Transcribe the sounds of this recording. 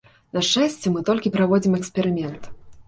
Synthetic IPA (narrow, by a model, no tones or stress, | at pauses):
nɐʂɛsʲt͡sʲɛmɨt̪ɔlʲkʲipɾavɔd͡zʲimɛksʲpʲɛɾɨmʲɛnt̪